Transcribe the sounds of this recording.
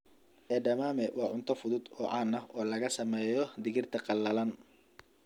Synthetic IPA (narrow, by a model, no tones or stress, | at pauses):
ʔɛːɖɐmaːmɛwɑːʕʊnt̪ʰɐfʊðʊd̪ɔːʕɑːnɐhɔːlɐɣɐsɐmɛːjɔd̪ɪɣɪrt̪ʰɐqɑlːɐlɐn